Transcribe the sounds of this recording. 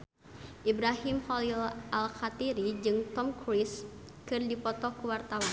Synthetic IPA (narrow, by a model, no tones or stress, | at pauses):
ʔibɾaɦimhɔlilʔalkat̪iɾid͡ʒɨŋt̪ɔmkɾis | kɨrdipɔt̪ɔkuwart̪awan